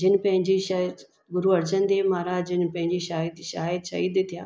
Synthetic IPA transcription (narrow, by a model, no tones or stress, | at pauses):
d͡ʒɪnpɐ̃ɦɪ̃ɲd͡ʑiʃ | ɡʊɾuɐɾt͡ʃənd̪eːmaːɾaːd͡ʑɪnpɐ̃ɦɪ̃ɲd͡ʑiʃaːjəd̪iʃaaːjəd̪ʃɐ̰ɦiːd̪et̪ʰijaː